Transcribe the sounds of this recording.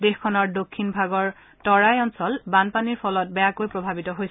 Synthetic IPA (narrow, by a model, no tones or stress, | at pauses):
dexkʰːɔnɔɹdokʰːinbʱaɡɔɹ | tɔɹajɔnsɔlbanpaniɹpʰɔlɔt̚bɛjakojpɹɔbʱabitɔɦojs